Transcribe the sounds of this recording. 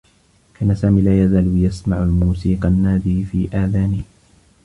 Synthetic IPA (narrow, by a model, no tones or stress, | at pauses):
kʰaːnasaːmiːlaːjazaːljasmaʕalmuːsiːqɑnːaːd̪iːfiːʔaːðaːnɪh